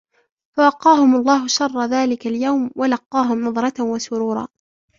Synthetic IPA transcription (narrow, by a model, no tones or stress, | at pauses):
fawɑqːɑːhʊmɑlˤːɑːɦʊʃɑrˤːɑðaːlɪkaljawmwalɑqːɑːɦʊmnɑðˤɾˤɑt̪wasʊɾuːɾˤɑ̰ː